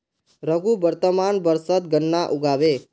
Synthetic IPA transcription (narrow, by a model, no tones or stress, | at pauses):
ɾəɡubəɾt̪əmanbəɾsət̪̚ɡənːaʔuɡʱaʋe